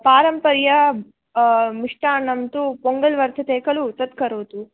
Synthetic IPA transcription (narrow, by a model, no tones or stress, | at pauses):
paːɾɐmpɐɾjɐ | miʂʈaːnɐmt̪upoŋɡɐlʋɐɾt̪ʰɐt̪eːkɐlut̪ɐt̪kɐɾoːt̪u